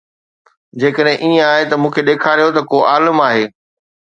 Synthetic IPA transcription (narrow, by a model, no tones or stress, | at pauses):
d͡ʑeːkəɗɦɪ̃ʔiːə̃aːɦet̪ɐmũːkʰeɗeːkʰaːɾijot̪ɐkoːʔaːləmaːɦeː